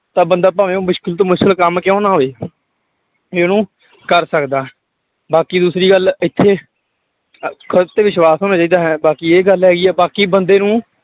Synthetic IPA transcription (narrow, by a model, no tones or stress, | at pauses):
t̪ãːbənd̪aːp̬aːʋẽːmʊʃkəlt̪õːmʊʃkəlkəmkjõːnaːɦoːeː | nũː | kəɾsəkd̪aːɦ | baːkiːd̪uːsɾiːɡəlɪt̪ʰːeː | kʰəɾt̪eːʋɪʃwaːsɦoːnaːt͡ʃaːiːd̪aːɦɛːbaːkiːeːɡəlɦɛːɡiːɛːbaːkiːbənd̪eːnũː